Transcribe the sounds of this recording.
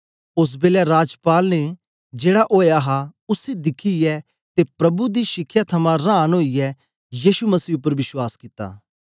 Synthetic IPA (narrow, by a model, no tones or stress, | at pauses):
ʊs̬beːljaɾaːd͡ʒpaːlne | d͡ʒeːɽaʔoːjaɦaʊsed̪ɪkʰijɛ | t̪epɾɐbud̪iʃɪkʰːjat̪ʰɐmãɾãːnɦoːijɛ | jiːʃumɐsiːʊp̬ːəɾʋɪswaːskɪt̪ːa̰ː